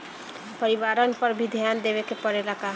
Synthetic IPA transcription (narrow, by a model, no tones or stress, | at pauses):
pəɾiʋaːɾənpəɾbʱid̪ʱjaːnd̪eʋekepəɾelaka